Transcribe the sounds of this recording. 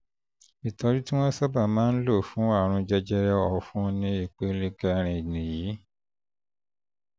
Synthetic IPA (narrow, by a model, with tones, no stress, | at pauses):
i˨tɔ˧ɾi˦tĩ˦w̃ɔ̃˦sɔ˦ba˦˨mãː˨˦n̩˦lo˦˨fũ˨˦wa˦˨ɾ̃ũ˧d͡ʒɛ˧d͡ʒɛ˧ɾɛ˧ɔ˨fũ˦nĩ˧˦i˦˨k͡pe˨˦le˧kɛ˧ɾ̃ĩ˧˨nĩ˨ji˨˦